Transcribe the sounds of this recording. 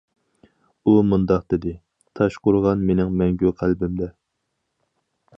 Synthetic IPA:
umund̪ɑq̚d̪̥ɪd̪ɪ | t̪ʰɑʃqʊɾʁɑnmenɪŋmɛŋɡʲyqʰælbɪmd̪ɛ

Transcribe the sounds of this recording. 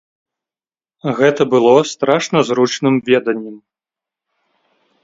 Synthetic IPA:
ɣɛt̪ɐbɨlˠɔst̪ɾaʂnɐzɾut͡ʂnɨmvʲɛd̪ɐnʲːɛm

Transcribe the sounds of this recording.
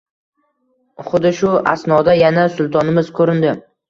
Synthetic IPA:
χʊd̪ɪʃʊa̰snɒd̪ajanasʊlˠt̪ʰɒnɪmɪz̥kʰɵɾɪnd̪ɪ

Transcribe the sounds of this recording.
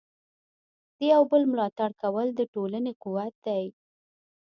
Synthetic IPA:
d̪̥əjawbəlmlɑt̪aɽkawəld̪əʈolanequwat̪̚d̪aj

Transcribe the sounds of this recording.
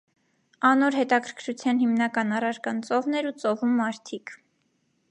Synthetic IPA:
ɑnɔɾɦɛt̪ɑkʰəɾkʰɾut͡sʰjɑnhimnɑkɑnɑrɑɾkɑnt͡sɔvnɛɾut͡sɔvumːɑɾt̪ʰik

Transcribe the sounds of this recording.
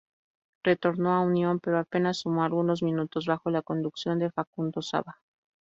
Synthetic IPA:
re̞t̪o̞ɾno̞aunjo̞mpe̞ɾoape̞nasːumoalɣuno̞zmĩnut̪o̞zβaxo̞lako̞nd̪uksjo̞nd̪e̞fakund̪o̞sa̰βa

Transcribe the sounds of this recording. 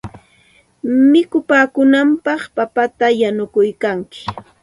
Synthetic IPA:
mɪkʊpaːkʊnampɑχpapat̪ajanʊkʊjkaŋkɪ̥

